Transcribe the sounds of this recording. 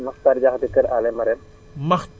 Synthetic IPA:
məxt̪aɾd͡ʒaɦt̪ikəɾaleməɾe | məx

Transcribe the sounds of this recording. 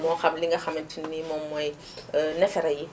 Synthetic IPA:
mɔ̃xabilĩŋkaxamɛ̃tinimɔ̃mɔje | nɛfɛɾɛje

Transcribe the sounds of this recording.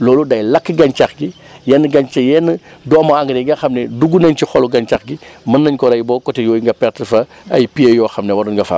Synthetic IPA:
lɔːludɐjlɐkːɡɐɲt͡ʃaxɡi | jɛnːɡɐɲt͡ʃɐjɛnːədɔːmɐaŋɡɐɾɛɡɐxɐmnɛduɡunɐɲcixɔluɡɐɲt͡ʃaxɡimɐnːɐɲkɔɾɐjbɔːkɔtɛjɔːjiŋɡɐpɛrtəfɐ | ɐ̰jpijejɔːxɐmnɛwɐdɔnɡɐfa̰ː

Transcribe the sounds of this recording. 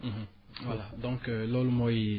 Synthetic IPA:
ɦ̩ | walad̪ɔ̃ŋklɔlumɔji

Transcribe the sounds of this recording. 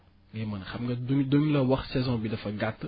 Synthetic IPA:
ŋɡemɐnxɐmɡɐdoŋdoɲlɐwɐxsɛzɔ̃bidɐfɐɡat̪ː

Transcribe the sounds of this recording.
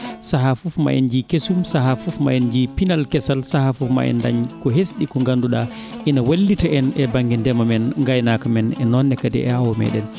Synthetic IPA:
saɦafufma̰ʔɛ̰nd͡ʒikesumsaɦafufma̰ɛnd͡ʒipinalkɛsalsahafufma̰ʔɛ̰nda̰ɲkɔɦesɗikɔŋɡanduɗa | ʔinawalːitaʔɛnɛbaŋɡindɛmamɛnŋɡajnakamɛnɛnɔnːɛkadɛ̰ʔɛhawɔmɛ̰ːɗɛn

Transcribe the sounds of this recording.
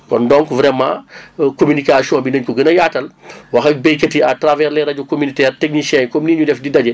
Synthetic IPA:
kɔndɔŋkvɾɛmã̰komynikasiɔːnbinəɲkɔɡənɐjaːtɐlwɐxɐk̚bɛjkɐtiatravɛɾlɛɾɐɟukomynitɛːrtɛk̚niʃɛɲkɔmniːɲudɛfdidɐɟɐ

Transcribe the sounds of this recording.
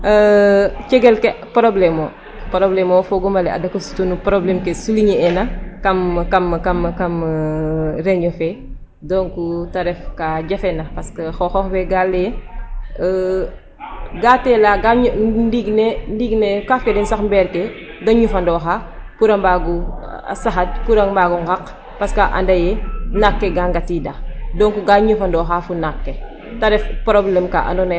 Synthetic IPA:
əcɛɡɛlkɛpɾɔblɛmɔː | pɾɔblɛmɔfɔɡɔmɐlɛɐ̰dɐkːəsu̥tunupɾɔblɛmkesuliɲiɛnɐkɐmkɐmkɐmkɐm | ɾɛɲɟɔfɛ | dɔŋkutɐɾɛfkaɟɐfɛnɐpɐskəxɔxɔxbɛɡalːɛ | ɡatɛlaɡaɲndiɡnendiɡnekafɛdɛnsaxmbɛɾke | dɔɲufɐndɔːxa | puɾɐmbaːɡṵsaxɐt̚puɾɐŋmbaɡuŋɡak | pɐskaʔa̰ndɐjɛnakːeɡaŋɡatidadɔŋkuɡaɲufɐndɔːxafunakːe | tɐɾɛfpɾɔblɛmka̰ʔa̰ndɔn

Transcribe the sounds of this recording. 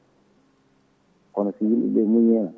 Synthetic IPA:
kɔnɔsijilɗḭɓɛmuɲɛna

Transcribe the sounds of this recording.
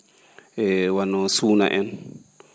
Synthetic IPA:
ɛwanɔsuna̰ʔɛn

